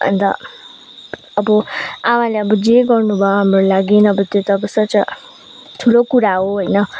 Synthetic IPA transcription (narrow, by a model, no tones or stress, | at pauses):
ʌ̰nt̪ʌ̰ | ʌbʌawãleʌbʌd͡zeɡʌrnubʱʌɦamrolaɡinʌbʌt̪jot̪ʌbʌsʌt͡sʌ | t̪ʰulokuɾaɦoɦojnʌ